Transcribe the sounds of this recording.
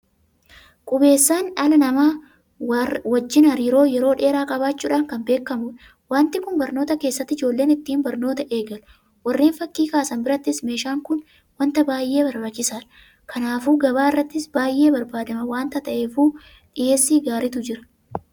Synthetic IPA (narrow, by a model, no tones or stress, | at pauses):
kʼʊbe̞ːsːaːnᶑɐlɐnɐmaː | wɐd͡ʒːɪnɐɾiːɾo̞ːjɛɾo̞ːᶑe̞ːɾaːkʼɐbaːt͡ʃːuːᶑaːŋkɐmbe̞ːkːɐmʊᶑ | waːnt̪ɪkʊnbɐɾno̞ːt̪ɐke̞ːsːɐt̪ːɪd͡ʒo̞ːlːe̞ːnɪt̪ːiːnbɐɾno̞ːt̪ɐʔe̞ːɡɐlʊ | wɐrːe̞ːnfɐkːiːkaːsɐnbɪɾɐt̪ːɪsme̞ːʃaːŋkʊn | wɐnt̪ɐbaːjʔe̞ːbɐɾbɐt͡ʃːɪsaːᶑɐ | kɐnaːfuːɡɐbaːɪrːɐt̪ːɪsbaːjʔe̞ːbɐɾbaːd̪ɐmɐwaːnt̪ɐt̪ɐʔeːfuː | ᶑɪjʔe̞ːsːiːɡaːɾɪt̪ʊd͡ʒɪɾɐ̥